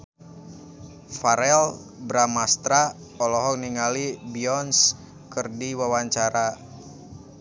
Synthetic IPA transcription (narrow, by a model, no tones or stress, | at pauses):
faɾɛlbɾamast̪ɾa | ɔlɔɦɔk̚niŋalibiɔns | kərdiwawaɲt͡ʃaɾa